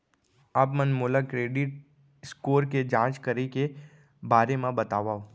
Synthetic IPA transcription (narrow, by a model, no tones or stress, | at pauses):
aːpmənmolakɾeːɖɪʈ̚ | skoːɾked͡ʒãːt͡ʃkəɾike | baːɾemãbət̪aːʋaːo